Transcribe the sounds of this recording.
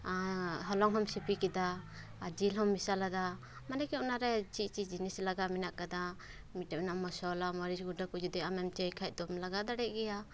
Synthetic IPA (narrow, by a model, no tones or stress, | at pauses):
ɦɔlɔŋɦɔmsipikid̪a | d͡ʒilɦɔmːisalad̪a | manɛkɛunaɾɛt͡ʃit͡ʃid͡ʒinislaɡaminaʔkad̪a | miʈɛmɛnamɔsɔlamɔɾisɡudakud͡ʒud̪ɛamɛmt͡ʃəjkʰaj̚d̪ɔmlaɡad̪aɽɛʔ̚ɡɛja